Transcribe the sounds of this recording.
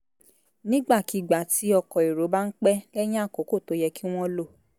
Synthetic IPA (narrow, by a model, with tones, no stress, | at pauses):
nĩ˦ɡ͡ba˦˨ki˨ɡ͡ba˨ti˨˦ɔ˧kɔ˨i˨ɾo˨˦ba˦n̩˦k͡pɛ˦lɛ˦j̃ã˦a˦˨ko˨˦ko˦˨to˨˦jɛ˧ki˦w̃ɔ̃˦lo˦˨